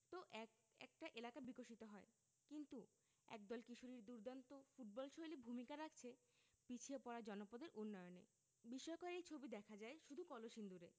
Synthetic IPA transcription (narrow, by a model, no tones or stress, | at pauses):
t̪oʔɛ | ɛ̰k̚ʈaʔelakabikoʃit̪oɦɔe | kint̪u | ɛ̰k̚d̪ɔlkiʃoɾiɾd̪uɾd̪ant̪ofuʈ̚bɔlʃojlibʱumikaɾak̚ʰt͡ɕʰe | pit͡ɕʰiepɔɾad͡ʑɔnopod̪eɾʔunːɔjonḛ | biʃɔekoɾejt͡ɕʰobid̪ɛkʰad͡ʑaeʃud̪ʱukɔloʃind̪uɾe